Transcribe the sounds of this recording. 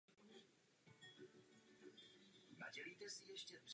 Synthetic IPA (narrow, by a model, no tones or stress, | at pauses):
na̰ɟɛliːt̪ɛsɪjɛʃcɛb̪r